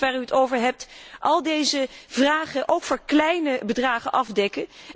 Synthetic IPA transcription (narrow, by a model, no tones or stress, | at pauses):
ʋaːɹyətowvəɹɦɛp̚tʔɑlˠdejzəvraːχəʔowkfʊːɹklɛjnəbədraːχənʔɑvdɛkə